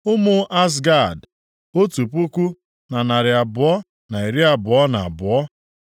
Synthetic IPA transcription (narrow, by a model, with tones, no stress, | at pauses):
ʊ˦mʊ˦ʔa˦s̬ɡa˦˨d | o˦tu˨pu˦kʷu˦ | na˨na˨ɾɪ˨a˨bʊ˨˦ɔ˦ | na˨i˨ɾi˦a˨bʊ˨ɔ˦na˨bʊ˨ɔ˦